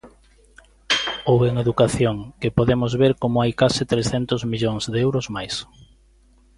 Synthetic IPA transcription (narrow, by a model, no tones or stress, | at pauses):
oweŋeðukaθjoŋkɪpoðemozβeɾkomʊajkasɪt̪ɾesθɛnt̪ʊzmiʎoŋzðɛwɾʊzmajs